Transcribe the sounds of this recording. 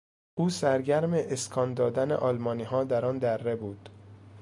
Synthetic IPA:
ʔuːsæɾɟæɾmeʔeskʰɒːnd̪ɒːd̪ænḛʔɒːlmɒːniːɦɒːd̪æɾɒːnd̪æɾːe̞buːd̪̥

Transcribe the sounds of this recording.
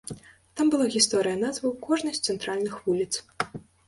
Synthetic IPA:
t̪ambɨlˠaɣʲist̪ɔɾɨjɐnazvɐwkɔʐnɐsʲt̪sɛnt̪ɾalʲnɨxvulʲit̪s

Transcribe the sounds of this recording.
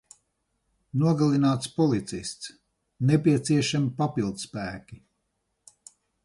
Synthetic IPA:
nuɔɡalˠinaːt̪spɔlˠit̪sist̪s | nɛpiɛt̪siɛʃamipapilˠd̪spæːkʲi

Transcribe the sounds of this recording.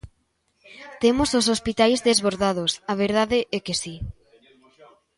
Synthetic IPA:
t̪emosos̬ospit̪ajzðezβoɾðað̞osaβ̞eɾð̞aðeʔɛkesi

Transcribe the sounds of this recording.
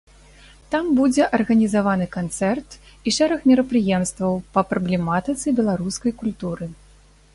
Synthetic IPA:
t̪ambud͡zʲɛʔɐrɣɐnʲizavanɨkant̪sɛrt̪ | iʂɛɾɐxmʲɛɾɐpɾɨjɛmst̪vɐwpɐpɾɐblʲɛmat̪ɨt̪sɨbʲɛlˠaɾuskɐjkulʲt̪uɾɨ

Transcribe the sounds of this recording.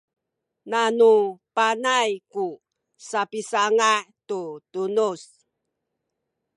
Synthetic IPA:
nanupanajku | sapisaŋatutunus

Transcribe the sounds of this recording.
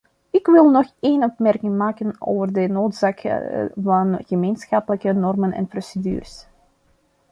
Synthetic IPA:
ɪkʋɪlˠnɔxeːnɔpmɛrkɪŋmaːkəno̰ːvərdənoːtsaːkvɑnɣəmeːnsxɑpələkənɔrmənɛ̰nprosedy̰ːrəs

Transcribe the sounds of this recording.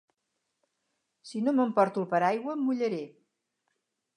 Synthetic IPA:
sinoməmpɔɾt̪ulpəɾajɣwəmːuʎəɾe

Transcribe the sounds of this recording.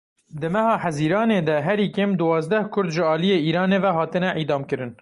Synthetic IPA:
d̪ɨmɛhɑːħæziːɾɑːneːd̪ɛɦɛɾiːkeːmd̪ɨwɑːzd̪ɛhkʰʊɾd̪ʒɪɑːlijeːiːɾɑːneːvɛɦɑːt̪ɨnɛʔid̪ɑːmkɨɾɨn

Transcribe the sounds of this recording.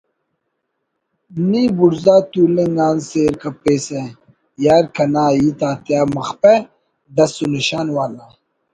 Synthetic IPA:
nibuɾzaːt̪uːleŋɡaːnseɾkapeːse | jaːɾkɐnaːit̪aːt̪jaːmɐxpe | d̪ɐsuniɕaːnwaːla

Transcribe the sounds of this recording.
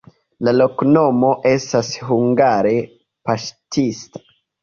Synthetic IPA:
lalo̞kno̞mo̞ʔe̞stasɦuŋɡaɾe̞ | paʃtʰistḁ

